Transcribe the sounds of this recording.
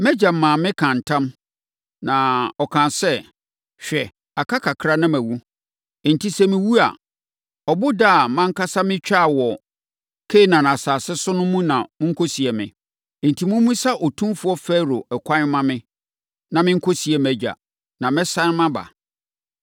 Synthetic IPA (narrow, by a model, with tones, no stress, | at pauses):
mɛ˦d͡ʑa˨m˨mãː˨mɪ̃˦kʰã˨n̩˨tʰã˦m | nã˨ɔ˨kʰã˨nsɛ˦ | ɕᶣɛ˨ | a˨kʰa˦kʰa˨kʰɾa˦nã˦mæ̃˨wu˦˨ | n̩˨tʰi˦sɛ˦mɪ̃˦wu˦a̰˨ | ɔ˨bʊ˦da˦˨mã˦ŋ˦ka˦sa˦mɪ̃˦t͡ɕᶣa˦˨wɔ˨ | kʰe˦˨nã˨nã˨saː˨sɪ˦sʊ˦nʊ̃˦mũ˦nã˨mʊ̃˦ŋ̩˦kʰo˦si˨ɛ˨mɪ̰̃˨ | n̩˨tʰi˨mũ˦mũ˦sa˦ʔɔ˨tʰũ˦fʊ˨˦ɔ˦fɛ˦ɾo˨ɛ˨kʷʰã˦mã˦mɪ̃˦ | nã˨mɪ̃˦ŋ̩˦kʰo˦si˨ɛ˨mɛ˦d͡ʑᶣa̰˨ | nã˨mɛ̃˦sã˦n˦mã˦ba̰˨